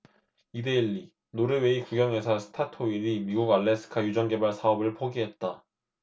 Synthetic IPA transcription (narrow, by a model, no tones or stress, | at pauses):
ide̞iʎːi | noɾɯweikuɡjʌŋe̞sʰʌsʰɯ̥tʰatʰoiɾimiɡuɡaɭːe̞sʰɯ̥kʰajud͡ʑʌŋɡe̞baɭsʰaʌbɯɭpʰoɡiɦe̞t̚t͈a